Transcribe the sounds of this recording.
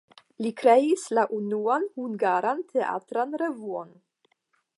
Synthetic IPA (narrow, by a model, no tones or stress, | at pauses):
likɾe̞islaʔunuanhuŋɡaɾantʰe̞ʔa̰tɾanɾe̞vuo̞n